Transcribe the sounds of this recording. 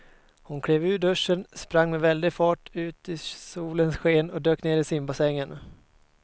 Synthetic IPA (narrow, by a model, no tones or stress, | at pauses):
hʊnkʰɽeːvʉ̟ːɖɵʂːənspɾaŋːmɛvɛld̪ɪɡfɑːʈʉ̟ːt̪ɪsuːlənsɧeːnɔd̪øːkneːɾɪsɪmbasɛŋːən